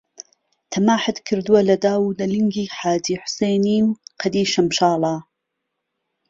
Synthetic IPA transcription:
t̪ʰɐmaːħɨt̪kʰɨɾd̪uwɐlɐd̪aːwuːlɐlɨŋɡiːħaːd͡ʒiːħʊ̥sejniːmqʰɐd̪iːʃɐmʃɑːlɑː

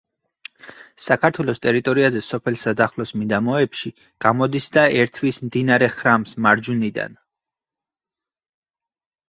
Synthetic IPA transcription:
sakʰaɾt̪ʰwɛlˠɔst̪ʼɛɾit̪ʼɔɾiazɛsɔpʰɛlˠsad̪aχlɔsmid̪amɔɛpʃi | ɡ̥amɔd̪isd̪aɛɾt̪ʰwismd̪inaɾɛχɾamsmaɾd͡ʒunid̪a̰n

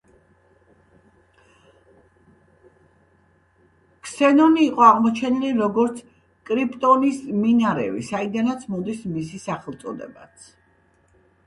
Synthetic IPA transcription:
kʰsɛnɔniːqʼɔaʁmɔt͡ʃʰɛniliɾɔɡɔɾt̪sʰ | kʼɾipʼt̪ʼɔnisminaɾɛ̰vḭsaid̪anat̪sʰmɔd̪ismisisaχɛlˠt̪sʼɔd̪ɛ̰bat̪sʰ

